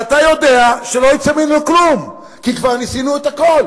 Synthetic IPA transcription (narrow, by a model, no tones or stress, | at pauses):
at̪ajo̞d̪e̞aʃelo̞it͡saminluklum | kikvaʁnisinuet̪ako̞l